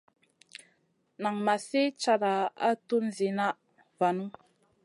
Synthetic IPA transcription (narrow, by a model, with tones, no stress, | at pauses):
na˨ŋma˨si˦t͡ʃa˨ɾa˨a̰˦tu˦nzi˨na˦ | va˨nu˦